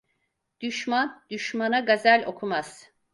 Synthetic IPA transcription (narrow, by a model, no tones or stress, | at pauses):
d̪̥yʃmand̪̥yʃmanaɡazælʲo̞kʰumaz̥